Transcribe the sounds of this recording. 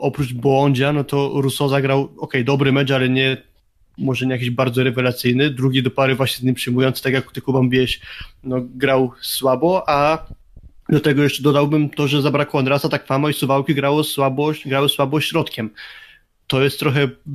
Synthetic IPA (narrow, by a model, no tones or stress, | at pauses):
ɔpɾud͡ʒbwɔɲd͡ʑanɔt̪ɔɾusɔzaɡɾawɔkɛjd̪ɔbɾɘmɛt͡ʂalɛɲɛ | mɔʐɛɲɛjakʲiʑbaɾd̪zɔɾɛvɛlat̪sɘjnɘd̪ɾuɡʲid̪ɔpaɾɘvwaɕɲɛzɲʲimpʂɘjmujɔnt̪st̪akʲjaku̥t̪ɘkubambʲiɛɕnɔɡɾawswabɔʔa | d̪at̪ɛɡɔjɛʂt͡ʂɛd̪ɔd̪awbɘmt̪ɔʐɛzabɾakɔand̪ɾasat̪akfamaisuvawkʲiɡɾawɔswabɔɕɡɾawɪswabɔɕɾɔt̪kʲɛm | t̪ɔjɛst̪ːɾɔxɛ